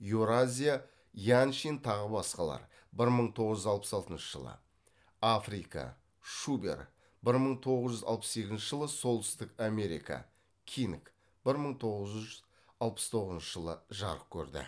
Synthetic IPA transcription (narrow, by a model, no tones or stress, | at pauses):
juɾazʲija | janʃint̪ʰɑʁəbɑsqɑlˠɑ̰ɾ | bɪɾməɴt̪ʰo̞ʁəzʒʏzɑlˠpə̥sɑlˠt̪ənʃəʒ̥əlˠə̰ | afrika̰ | ʃubḛɾ | bɪɾməɴt̪ʰo̞ʁəzʒʏzɑ̰lˠpəsse̞kʲɪznʃəʒəlˠəsolˠt̪ʏst̪ɪkame̞ɾḭjka̰ | kʲʰink | b̥ɪɾməɴt̪ʰo̞ʁəzʒʏzʒʏz | ɑlˠpəst̪ʰo̞ʁəzənʃəʒəlˠəʒɑɾəq̚kʲʰɵ̰ɾd̪ɪ̰